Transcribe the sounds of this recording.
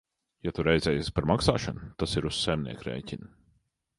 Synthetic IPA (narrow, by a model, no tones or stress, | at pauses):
jat̪uɾɛjd̪zɛːjaspaɾmaksa̰ːʃa̰nt̪asiɾussajmnʲḭɛkɾɛ̰jcʲin